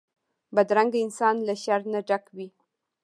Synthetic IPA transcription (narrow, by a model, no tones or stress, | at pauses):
bad̪ɾaŋɡaɪnsɑnlaʃaɾnaɖakwi